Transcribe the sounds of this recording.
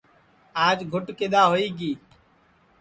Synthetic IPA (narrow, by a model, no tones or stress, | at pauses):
aːd͡ʒɡʱʊʈkeːɗ̪aːɦoːiːɡiː